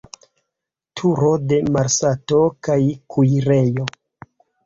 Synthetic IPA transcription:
tʰuɾo̞de̞maɾsato̞kajkʰujɾe̞jo̞

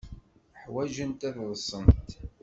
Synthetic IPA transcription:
ħwæʒənt̪æððˤsˤəmt̪

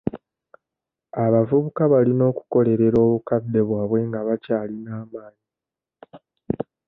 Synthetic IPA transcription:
aβavuβukaβalino̞ːku̥ko̞le̞ɾe̞ɾo̞ːβukad̪ːe̞βwaːβwe̞ŋɡaβacaːlinaːmaːɲi

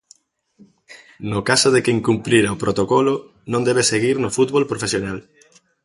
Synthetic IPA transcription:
nokasoðekeŋkumpliɾaopɾot̪okɔlʊ | nõnd̪ɛβeseɣiɾnʊfut̪̚βolpɾofesjonal

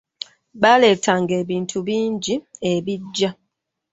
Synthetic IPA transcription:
βale̞ːtʰaŋɡe̞ːβiːntʰuβiːɲɟieβiɟːa

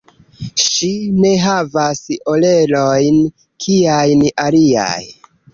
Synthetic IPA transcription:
ʃine̞ɦavaso̞le̞lo̞jn | kʰiajnalia̰j

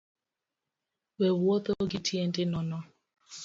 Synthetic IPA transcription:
wewuot̪oɡitʰiendɪnɔnɔ

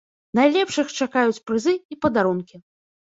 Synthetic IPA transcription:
najlʲɛpʂɨxt͡ʂakajut͡sʲpɾɨzɨipɐd̪aɾunkʲi

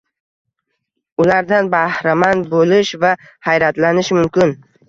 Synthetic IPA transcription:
ʊlaɾd̪anbahɾamanbolɪʃva | hajɾat̪lanɪʃmʊmkʲɪn

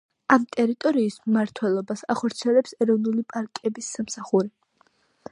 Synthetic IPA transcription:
amt̪ʼɛɾit̪ʼɔɾiːsmːaɾt̪ʰwɛlˠɔbasa̰χɔɾt̪sʰiɛlɛpsɛɾɔvnulipʼaɾkʼɛbisːamsaχuɾi

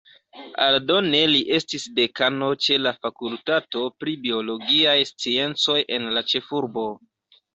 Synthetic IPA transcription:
a̰ldo̞ne̞liʔe̞stisde̞kano̞t͡ʃe̞lafakultato̞pɾibio̞lo̞ɡiajst͡sie̞nt͡so̞jʔe̞nlat͡ʃe̞fuɾbo̞

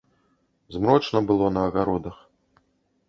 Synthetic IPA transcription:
zmɾɔt͡ʂnɐbɨlˠɔnɐːɣaɾɔd̪ɐx

